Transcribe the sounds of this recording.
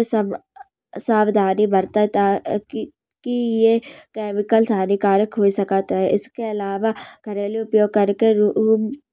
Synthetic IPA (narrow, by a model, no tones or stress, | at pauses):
s | saːbd̪ʱaːnibɐɾt̪aɦɛt̪aː | kijekeːmɪkəlsaːnikaːɾəkɦoːisɐkat̪ɦɦɛʔɪskeɐlaːʋaɡ̥ʱɐɾẽliʊpjoːɡ̚kɐɾkeɾuːm